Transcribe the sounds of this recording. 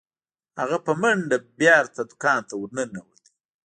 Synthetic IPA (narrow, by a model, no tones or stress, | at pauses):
ha̰ɣapəməɳɖabjɑːɾt̪ad̪ʊkɑːnt̪awuɾnənawəd̪i